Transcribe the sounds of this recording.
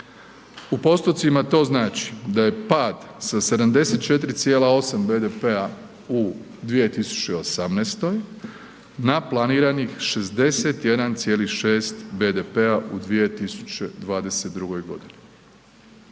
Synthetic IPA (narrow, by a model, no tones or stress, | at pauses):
upo̞st̪o̞t̪simat̪o̞ːznaːt͡ʃi̥d̪aje̞paːd̪ | sase̞d̪amd̪e̞se̞t̪̚t͡ʃe̞t̪ɾit̪sjeːlˠao̞sambe̞ːd̪epe̞a | u | d̪ʋije̞t̪isu̥t͡ɕe̞o̞samnest̪o̞j | naplˠaniːɾanixʃezd̪e̞set̪je̞d̪ant̪sje̞ːliʃe̞ːst̪beːd̪epeaʔud̪ʋije̞t̪isu̥t͡ɕe̞d̪ʋaːd̪e̞set̪̚d̪ɾuɡo̞jɡo̞̰d̪ini